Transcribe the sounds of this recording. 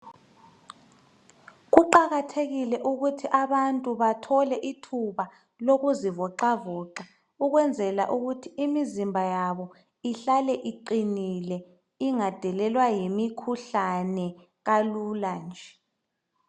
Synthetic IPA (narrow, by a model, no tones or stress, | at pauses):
ɣuǃaɣatʰeɣilɛʔuɣutʰiʔaβantʼuβatʰɔlɛʔitʰuβa | loɣuzivɔǃavɔǃa | uɣwɛnd͡zʱɛla̰ʔuɣutʰiimizimbʱajaβɔ | iɬalɛʔiǃinilɛ | iŋad̥ʱɛlɛlwajimikʰuɬanɛ | ɣaluland͡ʒʱɛ